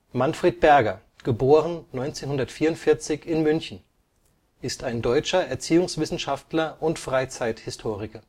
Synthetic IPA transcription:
manfʁ̥eːt̚b̥ɛɐɡɐ | ɡ̥əboːʁənnɔʏnt͡seːnhʊndɐtfiːɐʊntfɪɐt͡sɪçɪnmʏnçn̩ | ʔɪstaɪndɔʏt͡ʃɐʔɛɐt͡siːʊŋsv̥ɪsn̩ʃaftlɐʔʊntfʁ̥aɪt͡saɪthɪstʰoːʁɪkɐ

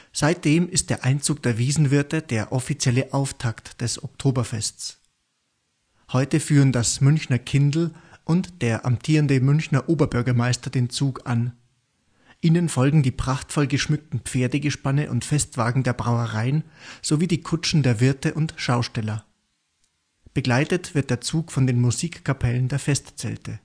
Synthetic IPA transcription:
z̥aɪt̚d̥eːmɪst̚d̥eːɐʔaɪnt͡suːk̚d̥eːɐviːzn̩vɪɐtəd̥eːɐʔɔfit͡sjɛləʔaʊftʰaktd̥ɛsɔ̰k̚tʰoːbɐfɛst͡s | hɔʏtəfyːʁəndasmʏnçnɐkʰɪndl̩ʔʊntd̥eːɐʔa̰mtʰiːʁəndəmʏnçnɐʔoːbɐbʏɐɡɐmaɪstɐd̥eːnt͡suːkan | ʔiːnənfɔlɡŋ̩diːpʁ̥aχtfɔlɡəʃmʏk̚tn̩pp͡feːɐdəɡəʃpanəʔʊ̰ntfɛstv̥aːɡŋ̩deːɐbʁaʊəʁaɪənz̥oviːdiːkʰʊt͡ʃn̩deːɐvɪɐtəʔʊntʃaʊʃtɛlɐ | b̥əɡlaɪtətv̥ɪɐt̚d̥eːɐt͡suːkfɔndeːnmuziːkkʰːapʰɛləndeːɐfɛstt͡sɛ̰ltʰə

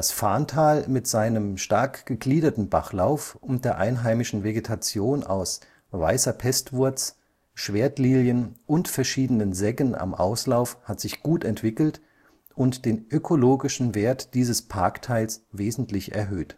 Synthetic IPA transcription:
asfaːntʰaːlmɪtz̥aɪnəmʃtaɐkɡ̥əɡliːdɐtn̩ba̰χlaʊfʔʊnt̚d̥eːɐʔa̰ɪnɦaɪmɪʃn̩veɡetʰat͡sjoːnʔa̰ʊs | va̰ɪsɐpʰɛstv̥ʊɐt͡s | ʃv̥eːɐtliːljənʔʊntfɛɐʃiːdənənzɛŋəna̰mʔa̰ʊslaʊfhatz̥ɪçɡ̥uːtɛntv̥ɪkl̩t | ʔʊntd̥eːnʔøkʰoloːɡɪʃn̩veːɐtd̥iːzəspʰaɐktʰaɪlsveːzn̩tlɪçʔɛ̰ɐɦøːt

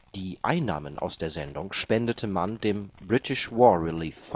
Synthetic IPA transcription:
d̥iːʔa̰ɪnːa̰ːmənʔa̰ʊsd̥eːɐzɛndʊŋʃpɛndətʰəmandeːmbʁɪtʰɪʃvɔːɐʁɪliːf

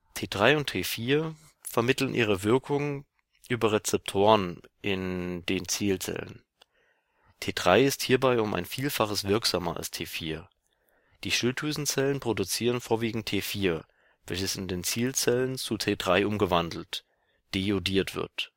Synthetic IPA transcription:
tʰeːdʁaɪʊntʰeːfiːɐ | fɛɐmɪtl̩nʔḭːʁ̞əvɪɐkʰʊŋə | ʔyːbɐʁɛt͡sɛp̚tʰoːʁənʔɪndeːnt͡siːlt͡sɛ̰lə̰n | tʰeːdʁa̰ɪɪsthiːɐbaɪʊmʔa̰ɪnfiːlfaχəsv̥ɪɐkz̥aːmɐa̰lstʰeːfiːɐ | d̥iːʃɪltʰuːzn̩t͡sɛlənpʁ̥odut͡siːʁənfoːɐviːɡŋ̩tʰeːfiːɐ | vɛ̰lçəsɪndeːnt͡siːlt͡sɛlənt͡sutʰeːdʁaɪʔʊmɡəvandl̩t | d̥eːjodiːɐtv̥ɪ̰ɐt

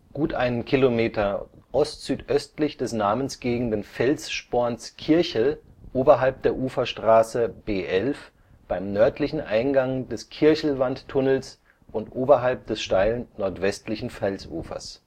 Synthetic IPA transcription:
ɡ̥uːtʔaɪnənkʰilomeːtɐʔɔstz̥yːtʔœstlɪçd̥ɛsnaːmənsɡ̥eːɡŋ̩dənfɛlsʃpoːɐnskʰɪɐçl̩ʔoːbɐɦalp̚d̥eːɐʔuːfɐʃtʁ̥aːsəb̥eːʔɛlf | b̥aɪmnœɐtʰlɪçn̩ʔaɪnɡaŋdɛskʰɪɐçl̩vantʰːʊnl̩s | ʔʊntʔoːbɐɦalp̚d̥ɛsʃtaɪlənːɔɐtv̥ɛstlɪçn̩fɛlsʔṵːfɐ̰s

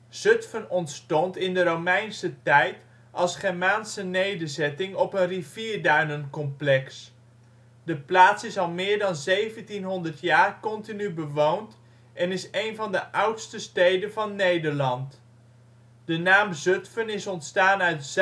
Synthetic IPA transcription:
z̥ɵtfənɔntstɔntɪndəɾowmɛjnsətɛjt | ʔɑlˠsχɛɹmaːnsənejdəɹzɛtɪŋɔpənriviːɹdœɥnənkɔmplɛks | dəplaːtsɪsɑlˠmɪːɹdɑnzejvəntinɦɔndəɹtjaːɹkɔntinybəʋownt | ʔɛnɪsejnvɑndəʔʌwtstəstejdənvɑnːejdəɹlɑnt | d̥ənaːmzøtfənɪsɔntstaːnœɥts

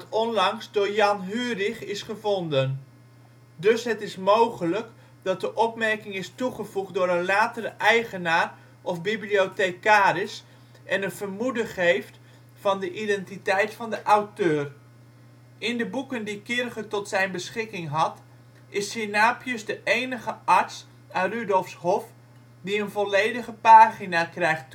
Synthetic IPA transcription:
dɑtɔnlɑŋsdoːɹjɑnɦyːrɪχɪsχəvɔndən | dɵsɦətɪsmowχələk | dɑt̚dəʔɔpmɛɹkɪŋɪstuχəvuχt̚doːɾənlaːtərəʔɛjχənaːr | ʔɔfbibliotekaːɾɪs | ɛnənv̥ərmudəχejft | fɑndəʔidɛntitɛjtfɑndəʔawtøːr | ɪndəbukəndikɪrχətɔtsɛjnbəsχɪkɪŋɦɑt | ɪsinaːpjəsdəʔejnəɣəʔɑɹts | aːrydɔlˠfshɔf | diənvɔlejdəɣəpaːχinakrɛjχt

